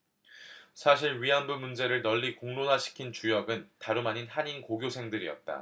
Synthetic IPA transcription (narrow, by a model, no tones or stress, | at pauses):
sʰaɕ̬ʰiɭɥiɦanbumund͡ʑe̞ɾɯɭnʌʎːikoŋnonaɕʰi̥kʰint͡ɕujʌɡɯntaɾumaɲinɦaɲinkoɡjosʰe̞ŋdɯɾḭʌ̰t̚t͈a̰